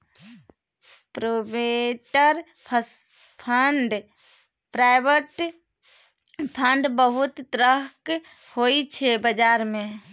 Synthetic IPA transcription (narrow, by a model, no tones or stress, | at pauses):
pɾobeʈəɾ | pʰ | pʰəɳɖ | pɾaːɪbəʈ | pʰəɳɖbəɦʊt̪ːɾəɦk | hoit͡ʃʰebəd͡ʒaːɾmẽ